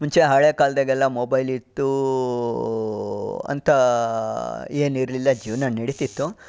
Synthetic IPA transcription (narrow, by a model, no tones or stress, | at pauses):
muɲt͡ʃeɦɐɭeːkaːld̪ɐɡɛlːɐmobɐjlit̪ːu | ɐ̰nt̪ɐ | eːniɾlilːɐd͡ʒiʋnɐnniɽit̪it̪ːu